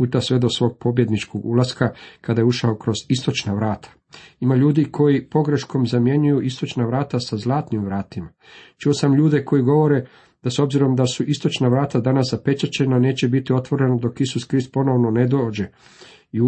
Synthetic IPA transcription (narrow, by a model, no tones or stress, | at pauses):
puːt̪asʋe̞d̪o̞sʋo̞ːɡ̚po̞bje̞d̪nit͡ʃko̞ɡulˠaskakad̪ajeuʃaokɾo̞zist̪o̞t͡ʃnaʋɾaːt̪ʰḁ | imaʎuːd̪ikʰo̞jipo̞ɡɾe̞ʃko̞mzamje̞ɲujuʔist̪o̞t͡ʃnaʋɾaːt̪asazlˠaːt̪nimʋɾaːt̪ima | t͡ʃuosamʎuːd̪e̞ko̞jiɡo̞ʋo̞ɾe̞ | d̪̥aso̞bziɾo̞md̪asuʔist̪o̞t͡ʃnaʋɾaːt̪ad̪anaszape̞t͡ʃat͡ɕe̞nane̞ːt͡ɕe̞bit̪io̞t̪ʋo̞ɾe̞nod̪o̞kisuskɾist̪̚po̞no̞ʋno̞ne̞d̪oːd͡ʑe̞ | i